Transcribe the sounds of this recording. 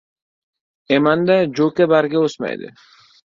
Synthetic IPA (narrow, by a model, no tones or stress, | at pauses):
emand̪ad͡ʒokebaɾɡeosma̰jd̪ɪ̰